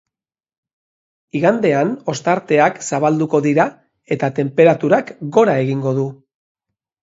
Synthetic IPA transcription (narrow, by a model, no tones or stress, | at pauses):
iɣand̪e̞ano̞st̪aɾt̪e̞aksaβ̞ald̪uko̞ðiɾa | e̞t̪at̪e̞mpe̞ɾat̪uɾakɡo̞ɾae̞ɣiŋɡo̞ðu